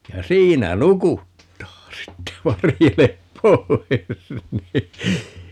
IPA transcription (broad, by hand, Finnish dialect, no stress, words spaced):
jɑ siːnæ nukutːɑː sitːe ʋɑrjelep poi̯s ni